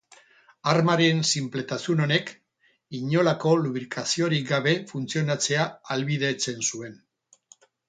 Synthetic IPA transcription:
aɾmaɾensimple̞t̪asuno̞ne̞k | iɲo̞lako̞luβɾikʰasio̞ɾiɡaβe̞funt͡sio̞nat͡se̞aalβiðe̞t͡se̞nsue̞n

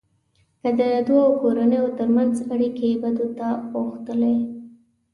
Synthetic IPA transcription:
kəd̪əd̪uawkoɾanəjot̪əɾmanzaɽikebad̪ot̪apoxt̪əle

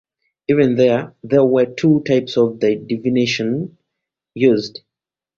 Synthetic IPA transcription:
ivɛ̃nðɛðɛwətʰutʰaɪpsɔvdadiviniʃə̃n | juzd

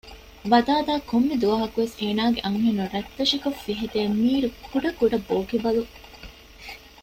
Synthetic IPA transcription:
ʋɐd̪aːd̪aːkomːid̪uʋɐɦɐkuʋeseːnaːɡeʔɐŋɦenuɾɐt̪ːɐʃikofːiɦit̪eːmiːɾukʰuɖɐkuɖɐboːkibɐlu

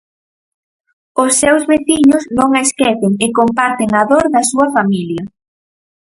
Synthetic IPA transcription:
ʊsːewzβeθiɲʊznõŋaeskɛθeŋekompaɾt̪eŋaðoɾðɐsuɐfamiljɐ

